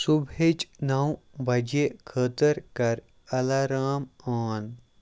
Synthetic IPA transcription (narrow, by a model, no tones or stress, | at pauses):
subʱeːt͡ʃnawbʱɐd͡ʒekʰəːt̪əɾkɐɾ | ɐlaːɾaːmaːn